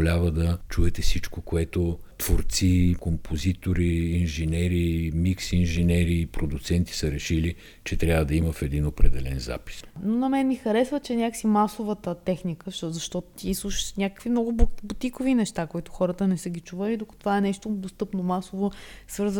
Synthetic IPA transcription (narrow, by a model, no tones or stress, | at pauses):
lʲavəd̪ɐt͡ʃuɛt̪ɛfsit͡ʃkokoɛt̪ot̪v̥oɾt̪sikompʰozit̪oɾiːnʒɛnɛɾimiksinʒɛnɛɾiːpɾod̪ʊt̪sɛnt̪i̥səɾɛʃili | t͡ʃɛt̪ɾʲavəd̪ɐiməfɛd̪inopɾɛd̪ɛlɛnza̰pi̥snonɐmɛnmixɐɾɛsvət͡ʃɛnʲakəsimasovət̪ət̪ɛxnikəʃzɐʃt̪ɔt̪o̥t̪ʲislˠuʃnʲakə̥kvimnɔɡʊbbut̪ikovinɛʃt̪akoit̪ʊxɔɾət̪ənɛsəɡʲit͡ʃuvəlid̪okə̥t̪ovaɛnɛʃt̪od̪ost̪ɤpnomasovosvɤɾz